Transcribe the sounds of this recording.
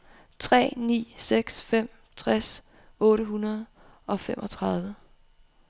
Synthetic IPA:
t͡sʰʁɛ̰ːnḭːseɡ̥sfem̰ | t͡sʰʁas | ɔ̽ːɾəɦunɐð̞ˠ | ɒ̽femʔɒ̽t͡sʰʁɑ̈ðˠʋə

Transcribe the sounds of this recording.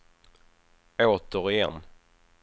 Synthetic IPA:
oːt̪əɾɪjɛ̰n

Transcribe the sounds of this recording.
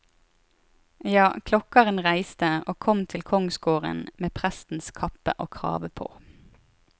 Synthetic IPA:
jɑːkʰlɔkɑʁənʁæɪst̪əoːkʰɔmt̪ʰɪlkʰɔŋsɡoːʁə̰nmeːpʰʁæst̪n̩skʰɑpə̰ʔoːkʰʁɑ̰ːʋəpʰo̰ː

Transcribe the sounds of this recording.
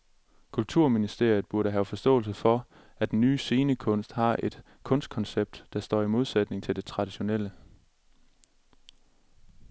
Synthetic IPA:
kʰult͡sʰuɐ̰minisd̥e̝ɐ̰jð̩ˠb̥uɐɾəɦæʊfɒ̽sd̥ɔ̰̽ːl̩s̬əfɒ̽ | æd̥en̩ːyːse̝ːnəkʰɔ̽n̰sd̥hɑ̈ʔe̝d̥ | kʰɔ̽n̰sd̥kʰɒ̽nseb̥̚d̥d̥ɑ̈sd̥ɒ̰ːimo̝ð̞ˠsæd̥ne̝ŋt͡sʰe̝ld̥e̝t͡sʰʁɑ̈d̥iɕo̝nel̰ə

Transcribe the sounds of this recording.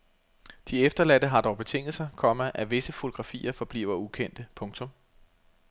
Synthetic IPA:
d̥iefd̥ɐlæd̥əɦɑ̈d̥ɒʊb̥e̝t͡sʰe̝ŋ̰ðl̩sɐkʰɒ̽məʔæʋe̝səfo̝t͡sʰo̝ɡ̥ʁɑ̈fḭːɐfɒ̽b̥lḭːʊɐukʰen̰d̥əpʰɔ̽ŋt͡sʰɔ̽m

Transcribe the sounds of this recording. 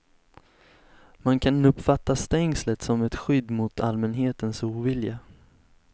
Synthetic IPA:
mankʰanɵpːfat̪ːast̪ɛŋslət̪sɔmɛt̪ɧʏd̪ːmʊt̪ʰalmɛnɦeːt̪ənsuːvɪlja

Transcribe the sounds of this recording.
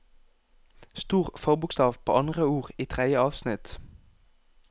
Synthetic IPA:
st̪uːʁfɔʁbʊkst̪ɑːʋpʰo̰ːʔɑnd̪ʁəuːʁiːt̪ʰʁɛd̪jəɑːʋsnɪt̪

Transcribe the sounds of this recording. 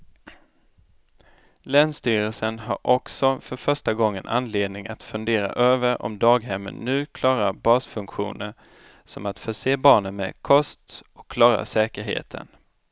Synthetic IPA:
lɛːnst̪yːɾəlsənɦa̰ɾʔɔksɔfœɾfœʂʈaɡɔŋːənʔanleːd̪nɪŋat̪fɵnd̪eːɾa̰ʔøːvəɾɔ̰md̪ɑːɡɦɛmːə̰nːʉ̟ːkʰlɑːɾaɾbɑːsfɵŋkɧṵːnəɾ | sɔmat̪fœʂeːbɑːɳənmɛ̰kʰɔst̪ɔ̥kʰːlɑːɾa̰ʂɛːkəɾɦḛːt̪ʰə̰n

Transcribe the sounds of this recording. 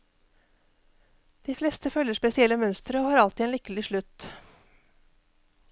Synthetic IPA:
d̪̥iːflɛst̪əfœlːəʂpɛsɪɛləmœnst̪ɾəoːhɑːɾɑlt̪iːeːnʏkəlɪʃɭʉt̪

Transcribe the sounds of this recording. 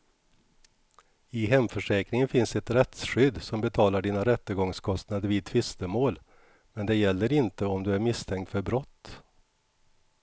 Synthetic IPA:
ɪɦɛmfœʂɛːkɾɪŋənfɪnsɛt̪ɾɛt̪sɧʏd̪ːsɔmbɛt̪ʰɑːlaɖiːnaɾɛt̪ːəɡɔŋskʰɔst̪nad̪əɾviːd̪̚t̪ʰvɪst̪əmoːl | mɛnd̪ɛjɛlːəɾɪnt̪əɔmd̪ɵæɾmɪst̪ʰɛŋk̚t̪fœɾbɾɔt̪ː

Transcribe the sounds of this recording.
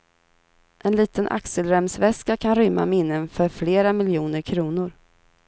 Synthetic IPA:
ʔɛnliːt̪ənʔa̰ksəlɾɛmsvɛskakʰanɾʏmːa̰mɪnːənfœɾfleːɾamɪljuːnəɾkʰɾuːnʊɾ

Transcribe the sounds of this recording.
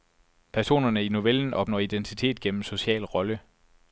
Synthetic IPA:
pʰæɐso̝̰ːnɐnəino̝ʋeln̩ɒ̽b̥nɒ̰ːid̥ent͡sʰit͡sʰe̝̰ːd̥̚ɡ̥en̰m̩so̝ɕiɛ̰ːlʁɒ̽lə

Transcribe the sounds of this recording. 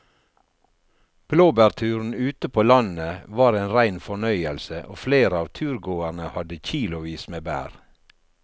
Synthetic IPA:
b̥loːbæɾt̪ʰʉːɾn̩ʉːt̪əpʰoːlɑnəʋɑːɾeːnɾæɪnfɔɳœʏəlsəʔoːfleːɾəɑːʋt̪ʰʉːɾɡoːæɾɳəhɑd̪əçiːlʊʋiːsmeːbæ̰ːɾ

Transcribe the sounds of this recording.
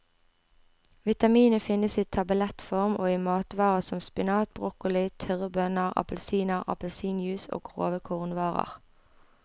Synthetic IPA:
ʋɪt̪ɑmiːnəfɪnəsiːt̪ʰɑbəlɛt̪fɔʁmʔoːiːmɑːt̪ʋɑːʁəsɔmspɪnɑːt̪̚bʁʊkʊlɪt̪ʰœʁəbœnəʁɑ̰pəl̩siːnəʁɑ̰pəlsiːnjʉːso̰ːɡʁo̰ːʋəkʰʊʁnʋɑːʁə̰ʁ

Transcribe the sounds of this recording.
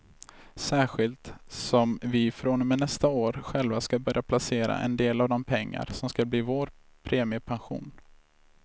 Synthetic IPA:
sæːɧɪlt̪sɔmvɪfɾonmɛnɛst̪aoːɾɧɛlvaskabœɾjapʰlaseːɾa̰ʔɛ̰nd̪eːlavd̪ɔmpʰɛŋːa̰ɾsɔmskabliːvoːɾ | pʰɾeːmɪəpʰanɧṵːn

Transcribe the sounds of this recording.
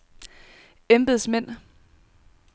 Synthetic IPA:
emb̥ð̞̩ˠsmen̰

